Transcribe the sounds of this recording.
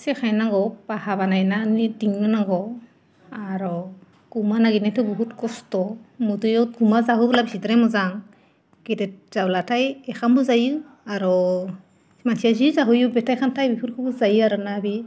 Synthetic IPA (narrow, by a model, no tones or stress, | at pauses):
sɛxajnaɡɔbahabanajnanidiŋnɯnaɡɔ | aɾɔ | kumanaɡinatʰɯbɔɦutkɔstɔmudɯjɔt̚ɡumazaɦubɯlabisitɾɛmɔzaŋ | kedɛt̚z̥ablatʰajɛxanbɔzaju | aɾɔ | mansʰijazizaɦujubɛtʰajkʰantʰajbipʰuɾkʰɯbuzajiaɾɯnabi